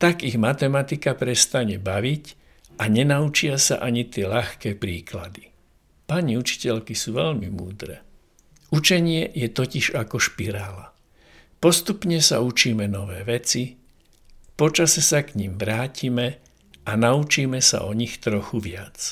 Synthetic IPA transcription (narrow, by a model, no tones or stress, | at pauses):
t̪aɡiɣmat̪ɛmat̪ikapɾɛst̪aɲɛbaʋic | ʔaɲɛnaut͡ʃɪasa̰ʔaɲit̪ɪɛʎaxkɛːpɾiːkla̰d̪i̥ | paɲiut͡ʃi̥cɛʎkisuːʋɛʎmimṵːd̪ɾɛ̰ː | ut͡ʃɛɲɪɛjɛt̪ɔciʒakɔʃpiɾaːla | pɔst̪upɲɛsa̰ut͡ʃiːmɛnɔʋɛːʋɛt͡si | pɔt͡ʃasɛsakɲimʋɾaːcimɛ | anaut͡ʃiːmɛsa̰ʔɔɲixt̪ɾɔxuʋɪat͡s